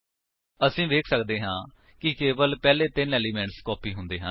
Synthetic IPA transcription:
əsĩːʋeːkʰsəkd̪eːɦãː | kɪkeːʋəlpɛːleːt̪ɪnɛːliːmɛ̃ːɳʈskɔːpʰiːɦʊ̃nd̪eːɦə

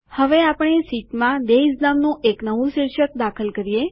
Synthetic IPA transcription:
həʋeapəɳ̃esiʈmãd̪eisnamnũʔeknəʋũʃiɾʃək̚d̪akʰəlkəɾije

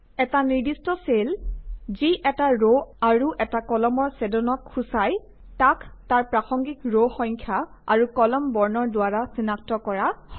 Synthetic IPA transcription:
ɛtaniɹdistɔselziʔɛtaɹoaɹuʔɛtakɔlɔmɔɹsɛdɔnɔkʰːusaj | taktaɹpɹaxɔŋɡikɹoxɔŋkʰja | aɹukɔlɔmbɔɹnɔɹdʊaɹasinak̚tɔkɔɹahɔ

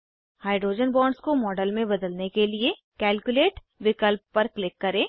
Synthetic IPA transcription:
haːɪɖɾoːd͡ʒənbɔːɳɖskomɔːɖəlmẽbɐd̪əlnekelie | kɛːlkjʊleːʈ | ʋɪkəlp̚ːɐɾklɪkːɐɾẽː

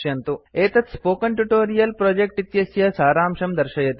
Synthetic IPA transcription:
jɐnt̪ueːt̪ɐt̪spoːkɐɳʈuʈoːɾijɐlpɾoːd͡ʒek̚ʈit̪jɐsjɐsaːɾaːmʂɐmd̪ɐɾʃɐjɐt̪

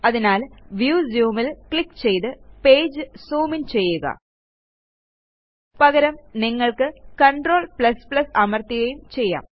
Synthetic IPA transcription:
ɐðinaːlʋjuːsjuːmilkɭikːt͡ɕe̞jt̪ɨpe̞ːd͡ʑɨsuːmint͡ɕe̞jːuɣɐ̰ | pɐɣɐɾɐmniŋːɐɭkɨkɐɳɖro̞ːɭpɭɐspɭlɐsɐmɐrt̪iɣjɐjumt͡ɕe̞jːa̰ːm

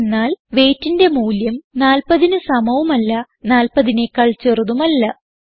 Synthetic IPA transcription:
nːaːlʋe̞ːtːinde̞muːljɐmnaːlpɐðinɨsɐmɐʋumɐlːɐ | naːlpɐðinekːɐɭt͡ɕːeruðumɐlːɐ

